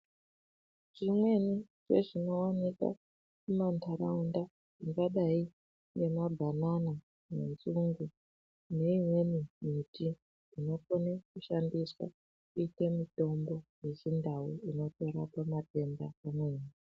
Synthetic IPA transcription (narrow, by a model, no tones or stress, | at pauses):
ʐ̥imwe̞ni | ʐḛʐino̞wanika̰ | kumantʰaɾaunda | ʐiŋɡaɗai | ŋɡe̞mabʱanana | mḛnzuŋɡu | ne̞imwe̞nimiti | ino̞konekuʃandiswa̰ | kuite̞mito̞mbo̞je̞sindauino̞to̞ɾapamape̞mbakamwe̞ːni